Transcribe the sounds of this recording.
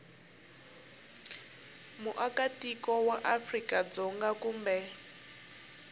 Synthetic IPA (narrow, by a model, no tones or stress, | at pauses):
muʔakatikɔwaʔafrikad͡zɔŋɡakuːmbɛ